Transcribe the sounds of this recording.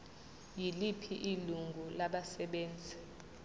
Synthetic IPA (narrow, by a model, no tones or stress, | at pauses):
jilipʰiʔiluŋɡʱulaɓasɛɓeːnd͡zʱi